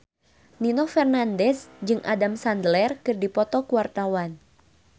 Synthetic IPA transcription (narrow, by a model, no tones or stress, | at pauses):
ninɔfɛrnandɛsd͡ʒɨŋʔa̰damsand̪əlɛrkɨrdipɔt̪ɔkuwart̪awan